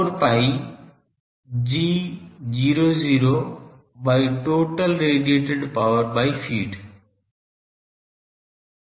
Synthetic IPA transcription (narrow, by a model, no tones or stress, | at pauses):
ɾpaːi | d͡ʒiːziːɾoziːɾo | baːiʈoːʈəlɾeːɖieːʈɪɖpaʊəɾbaːifiːɖ